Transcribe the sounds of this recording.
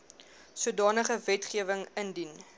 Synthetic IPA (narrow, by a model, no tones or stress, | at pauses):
suədɑːnəχəvɛtχiəvəŋəndin